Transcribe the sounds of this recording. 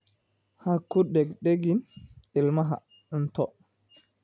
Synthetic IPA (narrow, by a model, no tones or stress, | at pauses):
hakːuɗɛɡɗeɡinilmaɦa̰ | untɔ